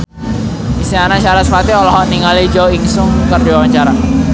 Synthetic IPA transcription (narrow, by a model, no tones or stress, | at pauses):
isianat͡ʃaɾasəpat̪iɔlɔɦɔʔniŋalid͡ʒawiŋsʊŋkərdiwawaɲt͡ʃaɾa